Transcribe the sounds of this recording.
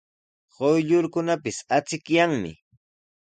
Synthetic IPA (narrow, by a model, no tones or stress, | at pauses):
ɢojʎʊɾkʊnapɪsat͡sɪkjaŋmɪ̰